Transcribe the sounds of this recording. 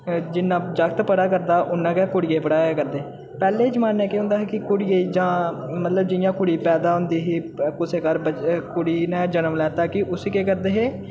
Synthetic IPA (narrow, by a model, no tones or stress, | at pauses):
d͡ʒɪnːãːd͡ʒəkt̪pəɽaːkəɾd̪aːʔʊnːãːkɛkʊɽɪjeːpəɽaːakəɾd̪eː | pɛːleːd͡ʒəmaːnːɛ̃ːkeːɦʊ̃nd̪aːɦɛːkɪkʊɽɪjeid͡ʒãːmət̪ləbd͡ʒɪjãːkʊɽiːpɛːd̪aːɦʊ̃nd̪iːɦiːkʊseːkəɾbəkʊɽiːnɛ̃ːd͡ʒənəmlɛːt̪aːkɪʔʊsiːkeːkəɾd̪eːɦeː